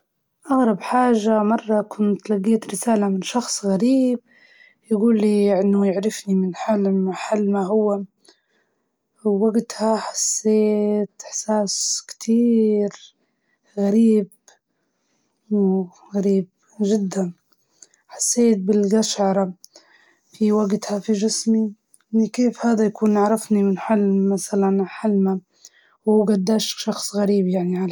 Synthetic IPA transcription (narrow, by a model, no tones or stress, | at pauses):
ʔaɣɾˤɑbħaːʒamɑrˤːɑkʰʊnt̪laɡːeːt̪ɾɪsaːlamɪnʃɑxsˤɣaɾiːb̚ | jaɡuːlːiʔɪnːʊjɪʕɾɪfnimɪnħalmaħalːmaɦʊwːa | waɡt̪haħḁsːeːt̪ʔɪħsaːskt̪ʰiːɾ | ɣaɾiːb̚ | w | ɣaɾiːb̚ | ʒɪd̪ːan | ħḁsːeːt̪̚bɪlɡaʃʕɑɾˤɑ | fiwaɡt̪hafid͡ʒɪsmi | nikeːfhaːd̪ajakuːnaʕɾˤɑfnimɪnħalmasalanħalma | wuːɡad̪ːaːʃʃɑxsˤɣaɾiːbjaʕniʕal